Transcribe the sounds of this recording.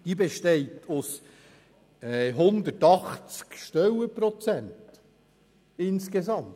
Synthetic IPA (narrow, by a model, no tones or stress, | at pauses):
d̥ibeʃtɛɪtʰʊs | ɛɦʊnd̪ətɑχt͡skʃtœwəpɾɔt͡sænt | ɪnskesɑm